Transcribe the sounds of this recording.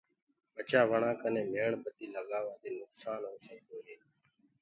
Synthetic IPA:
ɓət͡ʃaːʋəɳãːkənẽːmeːɳbət̪iːləɠaːʋaːd̪eːnʊksaːnɦoːseːkoːɦeː

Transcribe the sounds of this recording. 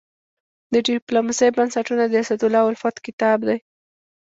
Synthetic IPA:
d̪əɖɪplomasejbansaʈunad̪əasad̪ʊlɑwalfɑt̪kɪt̪ɑbd̪aj

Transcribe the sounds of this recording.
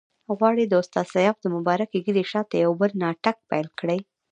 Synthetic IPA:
ɣwɑɽid̪əʊst̪ɑd̪sajɑvd̪əmʊbɑɾakeɡid̪eʃɑt̪ajawbəlnɑʈak̚pajlkɽaj

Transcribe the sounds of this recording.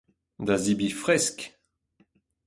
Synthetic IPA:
d̪azibifʁɛsk

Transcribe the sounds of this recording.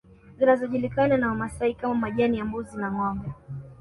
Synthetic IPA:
zinazɔʄulikananawamasahikamamaʄaniambɔzinaŋwaŋɡa

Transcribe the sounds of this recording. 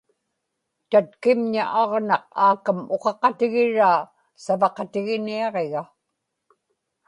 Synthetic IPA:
t̪at̪kɪmɲa̰ʔɑʁnɑq̚aːkamo̞qɑqɑt̪ɪɣɪɻaː | savɑqɑt̪ɪɣɪniɑʁeɣa

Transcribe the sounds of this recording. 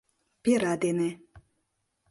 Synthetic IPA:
peɾad̪ene

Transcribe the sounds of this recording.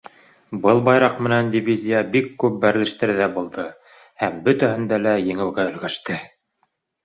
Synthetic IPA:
bɤlˠbɑjɾɑqmɘ̆nænd̪ʲivʲizʲijabikːʉp̚bæɾlɘ̆ʃt̪ɘ̆ɾðæbulˠd̪ɤ | hæmbɵ̆t̪æhɘ̆nd̪ælæjɘ̆ŋɘ̆wɡæɵ̆lɡæʃt̪ɘ

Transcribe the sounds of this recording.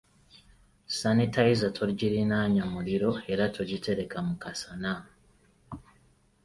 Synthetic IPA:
sanitajizatʰoɾɟiɾinaːɲamuɾiɾo̞e̞ɾatʰoɟitʰe̞ɾe̞kamukasana

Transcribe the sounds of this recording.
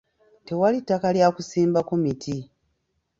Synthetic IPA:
te̞walitːakaljaːkusiːmbakumitʰi

